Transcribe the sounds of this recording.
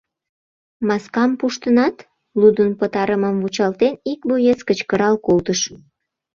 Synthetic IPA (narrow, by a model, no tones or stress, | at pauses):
mɑskɑmpuʃt̪ənɑt̪ | lud̪ənpət̪ɑɾəməmvut͡ɕɑlt̪enikbojeskət͡ɕkəɾɑlkolt̪əʃ